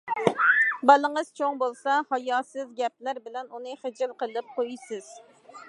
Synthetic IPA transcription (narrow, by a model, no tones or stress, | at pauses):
bɑlˠəŋəz̥t͡ʃʰoŋbolˠsɑhɑjɑːsɨzɡʲɛp̚læɾbɪlɛnunɨχəd͡ʒɪlˠqəlˠɨp̚qʰojsɪz̥